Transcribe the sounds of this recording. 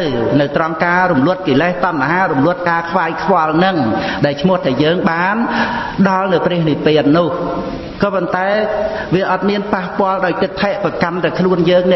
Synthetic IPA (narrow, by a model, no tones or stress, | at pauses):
wnɨwt̪rɑŋkaːɾumlʊət̪̚kiːleht̪ɑnʔaɦaːɾumlʊ̆ət̪̚kaːkʰʋaːɛjkʰʋŏəlnɨŋɗaɛlt͡ɕʰmʊ̆əht̪ʰajəːŋɓaːnɗɑlnɨwprɛ̆əhnipeːət̪̚nʊh | kɑːpont̪aɛ | ʋiəʔɑt̪̚miənpahpŏəlɗaɔjt̪ɨt̪ʰːeʔpakant̪awkʰluənjəːŋnɛ̆